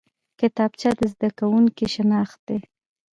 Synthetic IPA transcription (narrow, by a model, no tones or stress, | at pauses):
kɪt̪ɑb̚t͡ʃad̪əzd̪akawuŋkiʃɪnɑxt̪̚d̪e